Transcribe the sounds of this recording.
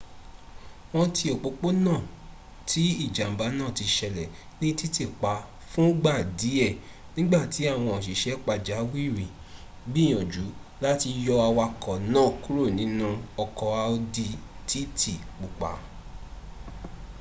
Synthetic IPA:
wɔ̃˧tʰi˧ɔ˨k͡po˧k͡po˦nãː˦˨ | tʰi˨˦i˦˨d͡ʒa˨m̩˨ba˨˧˦nãː˦˨ti˧ʃɛ˧lɛ˨ | nĩ˦ti˦ti˦˨k͡pa˨˧ | fũ˦ɡ͡ba˦˨di˨˦ɛ˦˨ | nĩ˦ɡ͡ba˦˨ti˨˦a˦˨w̃ɔ̃˧ɔ˨ʃ̬i˨ʃɛ˨˦k͡pa˧˨d͡ʒa˨˦wi˦˨ɾĩ˨ | bi˦j̃ɔ̃˨d͡ʒu˨˦la˦ti˧jɔ˧a˧wa˧kɔ˨nã˦˨ku˦ɾo˦˨nĩ˨˦nũ˧ɔ˧kɔ˧a˧o˧di˧tʰi˦tʰi˦˨k͡pu˨k͡pa̰˨˦

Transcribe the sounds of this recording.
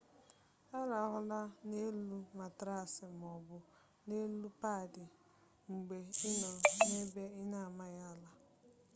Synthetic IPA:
a˦ɾa˨˦ɦʊ˦la˦ne˦lu˦ma˨tɾa˦˨sɪ˨m˨ɔ˨bʊ˨ | ne˦lu˦pa˦˨dɪ˨ | ŋ͡m̩˨ɡ͡be˨ɪ˦nɔ˨ne˦be˦ɪ˦na˦˨a˨ma˦ja˦˨la˦

